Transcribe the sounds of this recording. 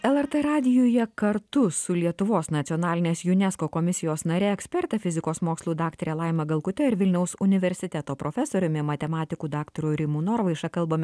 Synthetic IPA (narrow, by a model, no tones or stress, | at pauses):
ɛlˠɛɾt̪ɛɾɑːd̪ʲɪjoːjɛkɐɾt̪ʊsʊlʲiɛt̪ʊʋoːsnɐt̪sʲiɔːnɑːlʲɪnʲeːsjʊnʲɛskoːkomʲɪsʲɪjoːsnɐɾʲeːɛksʲpʲɛɾʲt̪ʲɛfʲɪzʲɪkoːsmoːkslˠuːd̪ɑːkt̪ɾʲɛːlˠɑɪmɐɡɐlˠkʊt̪ʲɛɪɾʋʲɪlʲnʲɛʊsʊnʲɪʋʲɛɾʲsʲɪt̪ʲɛt̪oːpɾofʲɛsoːɾʲʊmʲɪmɐt̪ʲɛmɑːt̪ʲɪkuːd̪ɑːkt̪oɾʲuːɾʲɪmuːnoːɾʋɐɪʃɐkɐlˠbɐmʲɛ